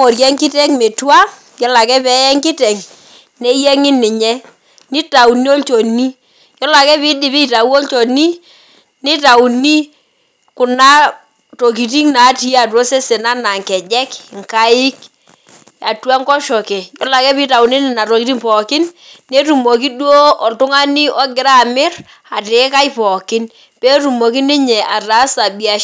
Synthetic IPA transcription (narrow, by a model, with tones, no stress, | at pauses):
ɔ˨ɾjɛ˦ŋkɪ˦tɛ˦ŋme˨twa˦ | jɔ˨˦la˨kɛ˦pɛ˨˦jɛ˦ŋkɪ˦tɛ˨ŋ | nɛ˨˦jɛ˦ŋɪ˦nːɪ˨ɲɛ˦ | nɪ˦ta˨u˨ni˦o˦lt͡ʃɔ˨ni˦ | jɔ˦la˨kɛ˦βɪ˦dɪ˨βɪ˦˨ta˨u˦o˦lt͡ʃɔ˨ni˦ | nɪ˦ta˨u˨ni˦ | kʊ˨na˦ | to˨k̬i˨ti˦ŋna˨˦ti˦a˨tu˨o˦se˦se˨na˦na˨ŋkɛ˨d͡ʒɛ˦kŋka˦ɪ˦k | a˨twa˦ŋkɔ˦ʃɔ˨kɛ˨jɔ˦la˨kɛ˦pɪ˦ta˨wni˦nɪ˨na˨to˨ki˨ti˦ŋpɔ˨kɪ˦nne˦tu˨mɔ˨ki˦dwo˦ɔ˨ltʊ˦ŋa˦ni˦ʔɔ˦ɡɪ˨ɾa˦˨mɪ˦r | a˨te˨˦ka˦jpɔ˨kɪ˦n | pe˦tu˨mo˨ki˦nɪ˦ɲɛ˨ʔa˨ta˨˦sa˨bi˨a˨